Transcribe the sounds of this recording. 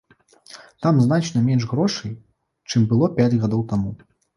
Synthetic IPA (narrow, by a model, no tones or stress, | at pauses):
t̪amznat͡ʂnɐmʲɛnʂɣɾɔʂɐj | t͡ʂɨmbɨlˠɔpʲad͡zʲɣad̪ɔwt̪amu